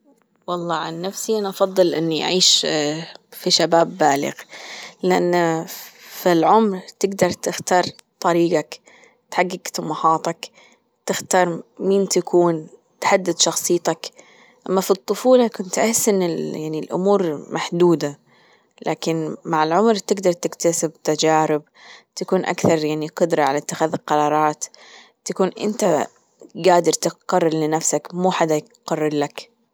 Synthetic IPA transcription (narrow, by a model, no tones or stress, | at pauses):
wɑlˤːɑːʕanːafsiʔanaʔɑfɑðˤːɨlʔɪnːiʔa̰ʕiːʃ | fiʃabaːbːaːlɪ̰ɣlɪʔa̰nː | filʕʊmɾt̪ɪɡd̪ɑɾˤt̪ɪxt̪ɑːɾˤt̪ˤɑɾiːɡak | t̪ħaɡːɪɡt̪ɑmɑħɑːt̪ˤɑk | t̪ɪxt̪ɑːɾˤmiːnt̪akʰuːnt̪ħad̪ːɪd̪ʃɑxsˤɨːt̪ɑk | ʔamːafit̪ˤːʊfuːlɑkʊnt̪ʔaħɪsːʔɪnːɪljaʕnilʔʊ̰muːɾmʔaħd̪uːd̪a | lʔaːkɪnmaʕɪlʕʊmɾt̪ɪɡd̪ɑɾˤt̪ɪkt̪asɪb̚t̪ad͡ʒaːɾɪb | t̪akuːnʔa̰kθɑɾˤjaʕniqʊd̪ɾˤɑʕalat̪ːɪxaːðlqɑɾˤɑːɾˤɑːt̪ː | akuːnʔɪ̰nt̪a | ɡaːd̪ɑɾˤt̪ɪqɑrˤːɑɾlɪnafsakmuːħad̪aj | qɑrˤːɑɾlak